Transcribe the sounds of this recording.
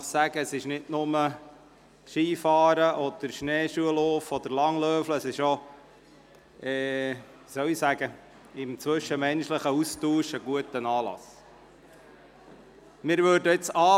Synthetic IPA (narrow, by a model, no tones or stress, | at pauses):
sæɡ̥əəsɪʃnɪtnʊmə | ʃiːfɑːɾəʔɔd̪̥əɾʃneːʃuəlɔːfɔd̪əɾlɑŋlœːfləəsɪʃo | ɛː | isœwisæɡ̥ə | ɪmt͡sʋɵʃəmɛnʃləχəustuːʃəɡuətənɑːlɑ̰s | mɪɾʋøːɾdəɪt͡sɑː